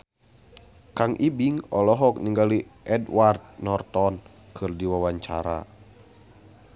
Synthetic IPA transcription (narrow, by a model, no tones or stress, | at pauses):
kaŋʔibiŋɔlɔɦɔk̚niŋɡaliʔɛdward̪̚nɔrt̪ɔn | kʰɨrdiwawaɲt͡ʃaɾa̰